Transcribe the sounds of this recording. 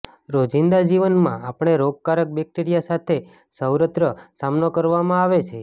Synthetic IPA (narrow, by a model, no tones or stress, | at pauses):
ɾod͡ʒind̪ad͡ʒiʋənmã̰apɳ̃eɾoɡ̚kaɾək̚bɛk̚ʈiɾijasat̪ʰe | səwɾət̪ɾəsamnokəɾʋamãaʋet͡ʃʰe